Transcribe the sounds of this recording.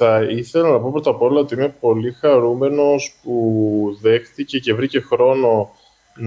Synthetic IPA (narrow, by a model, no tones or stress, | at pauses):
ɐiθelɐnnɐpo̞pɾo̞t̪ɐpo̞lɐot̪iime̞po̞lixɐɾume̞no̞spuðe̞xθice̞ce̞vɾice̞xɾo̞no̞ | n